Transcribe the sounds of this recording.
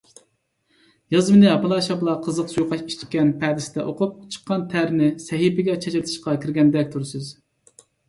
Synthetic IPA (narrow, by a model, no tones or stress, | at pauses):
jɑzmɨnɨɑpɨlˠɑːʃɑblˠɑqʰəzəqsujuqʰɑʃi̥ʃt̪ʲkʲːɛnpʰɛd̪ɪsɪd̪ɛʔoqʰup̚t͡ʃʰə̥qʰːɑnt̪ʰæɾnɪsɛɦipɪɡʲɛt͡ʃʰɛt͡ʃɪlt̪ʰɨ̥ʃqɑkʲʰiɾɡʲɛnd̪ɛk̚ʲt̪ʰuɾsɨz